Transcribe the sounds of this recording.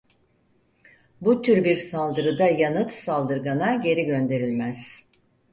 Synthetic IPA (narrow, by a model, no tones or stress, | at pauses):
but̪ʰyɾbiɾsalˠd̪ɯɾɯd̪ajanɯt̪salˠd̪ɯɾɡanaɟe̞ɾiɟø̞nd̪e̞ɾilʲmæz̥